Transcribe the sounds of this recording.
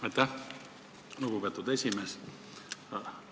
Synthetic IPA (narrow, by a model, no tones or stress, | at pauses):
ɑt̪ːæ | lukupet̪ːut̪esʲimes